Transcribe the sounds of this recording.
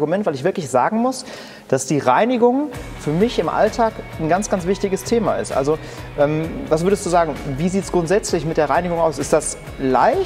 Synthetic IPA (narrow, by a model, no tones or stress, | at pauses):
ɡumɛntvaɪlɪçv̥ɪɐklɪçz̥aːɡŋ̩mʊs | d̥asd̥iːʁaɪnɪɡʊŋfyːɐmɪçɪmʔa̰ltʰaːkn̩ɡant͡sɡ̥ant͡sv̥ɪçtɪɡəstʰeːma̰ɪ̰stʔa̰lzo | ʔɛːmvas̬v̥ʏɐdəstd̥uːzaːɡŋ̩viːziːtsɡ̥ʁʊntz̥ɛt͡slɪçmɪtd̥eːɐʁaɪnɪɡʊŋaʊsɪstd̥as | la̰ɪ